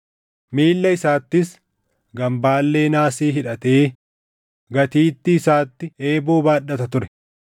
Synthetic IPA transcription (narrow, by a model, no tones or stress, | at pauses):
miːlːɐɪsaːt̪ːɪs | ɡɐmbaːlːe̞ːnaːsiːɦɪᶑɐt̪eː | ɡɐt̪iːt̪ːɪːsaːt̪ːɪeːboːbaːɗɐt̪ɐt̪ʊɾɛ